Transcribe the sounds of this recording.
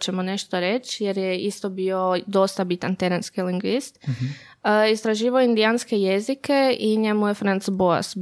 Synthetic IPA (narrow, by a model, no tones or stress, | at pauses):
t͡ɕe̞mone̞ʃt̪oɾe̞t͡ɕjeɾjeist̪o̞bio̞d̪o̞st̪abit̪ant̪eɾenskiliŋɡʋist̪ | ist̪ɾaʒiːʋaoind̪ianskejezike̞iɲe̞muje̞fɾant̪sboa̰s